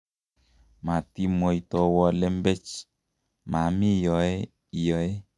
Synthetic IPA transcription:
ma˨ti˦mo˨i˨t̪ɔ˨wɔ˧le˦mbe˦t͡ʃ | ma˨mi˦jɔ˨e˦ | i˨jɔ˨e˦

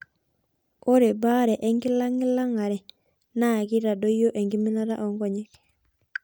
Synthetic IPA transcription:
o˦ɾe˨ba˦ɾe˨ʔe˦ŋɡi˦laŋi˦la˦ŋaɾe˨ | naɡiɾa˨dojo˦ʔe˨ŋɡi˦mi˦laɾa˦ʔo˨ŋɡoɲek

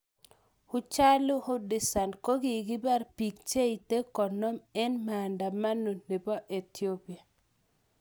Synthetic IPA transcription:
hʊ˦t͡ʃa˦lu˦hʊ˦dɪ˨sa˨nko˦ɡi˨ɡi˦ba˦ɾpi˨kt͡ʃe˦i˨te˦kɔ˨nɔ˦mɛ˦nma˨nda˨ma˦no˨ne˨bɔ˦ʔe˨ti˦o˦pi˨a˨

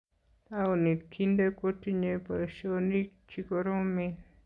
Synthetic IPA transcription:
a˦o˧nĩ˧kʰi˦nd̪e˦ko˦t̪i˧ɲẽ˧pa˧ʃo˧nĩ˦ | t͡ʃi˧ko˧ɾõ˦mĩ˧

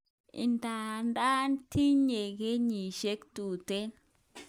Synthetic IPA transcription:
ḭ˨nda˨nda˦nti˦ɲe˨ɡe˦ɲi˨ʃe˦ktu˨te˦n

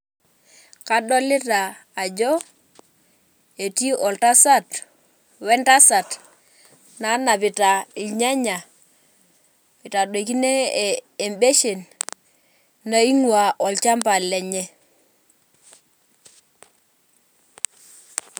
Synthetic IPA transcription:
ka˦ɗɔ˦lɪ˦taː˨d͡ʒɔ˦ | e˨ti˦ʔɔ˨lta˦sa˦˨t | wɛ˦nta˦sa˨t | na˨˦na˨pi˨ta˨i˨ɲa˦ɲa˨ | pi˨ta˨do˨ki˦neː˦˨mbe˦ʃe˨n | na˦i˦ŋwa˨ʔɔ˨lt͡ʃa˦mpa˨lɛ˨ɲɛ˦

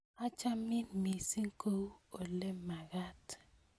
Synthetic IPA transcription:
a˦t͡ʃa˦mi˦mi˨si˦ŋ̩˦ko˦o˨le˦ma˨ɣa˦t

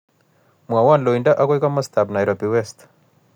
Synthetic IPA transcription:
mwa˨wa˦˨nlo˨inda˦ʔa˦ko˦ika˦ma˦st̪a˨bna˨jɾobiwɛst

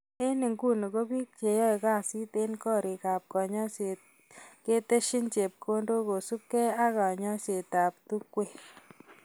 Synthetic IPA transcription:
e˦nɪ˨ŋɡu˦˨nɔ˨ɣo˦bi˦k̚t͡ʃe˨jɔ˦jka˦˨si˦t̪e˦nkɔ˦ɾi˨ka˨p̚kɔ˨ɲɔ˦se˨ | ke˦t̪e˦ʃɪ˦nt͡ʃe˨p̚kʰo˦ndo˦ko˨su˦p̚kɛ˦a˦ɣa˨ɲɔ˦se˨t̪a˨p̚t̪u˦kːwe˦˨

